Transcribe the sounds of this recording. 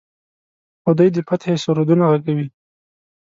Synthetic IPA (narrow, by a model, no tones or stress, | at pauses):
awd̪əjd̪əpat̪esʊɾod̪unaɣaɡawi